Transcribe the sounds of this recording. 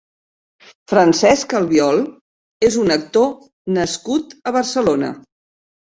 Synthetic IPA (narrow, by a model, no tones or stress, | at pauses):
fɾənsɛskəlˠβiɔlˠ | ezunək̚t̪o | nəskut̪əβ̞əɾsəlonə̰